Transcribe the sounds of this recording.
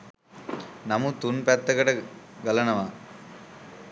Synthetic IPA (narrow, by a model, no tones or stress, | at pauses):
nɐmut̪unpɛt̪ːɐɡɐʈɐɡɐlɐnɐʋa